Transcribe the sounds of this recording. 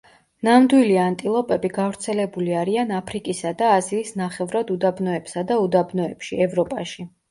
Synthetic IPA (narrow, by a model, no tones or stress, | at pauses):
namd̪wiliant̪ʼilˠɔpʼɛbiɡavɾt̪sʰɛlɛbuliaɾianapʰɾikʼisad̪aːziːsnaχɛvɾad̪ud̪abnɔɛpsad̪aud̪abnɔɛpʃiɛvɾɔpʼaʃi